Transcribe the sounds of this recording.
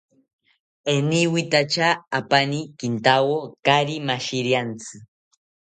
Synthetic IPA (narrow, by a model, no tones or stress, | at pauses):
eniwit̪at͡ʃaːpanikint̪awokaɾimaʃiɾjant͡sɨ